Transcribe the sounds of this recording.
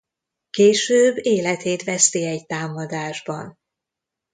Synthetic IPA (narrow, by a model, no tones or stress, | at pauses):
keːʃøːbːeːlɛt̪eːt̪ʋɛst̪iɛjt̪aːmɒd̪aːʒbɒ̰n